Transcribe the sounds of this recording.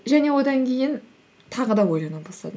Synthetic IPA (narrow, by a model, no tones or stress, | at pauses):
ʒæne̞wo̞d̪ɑŋkʲʰe̞jɪn | t̪ʰɑʁəd̪ɑwo̞jlˠɑnubɑsˠɑ̰d̪ə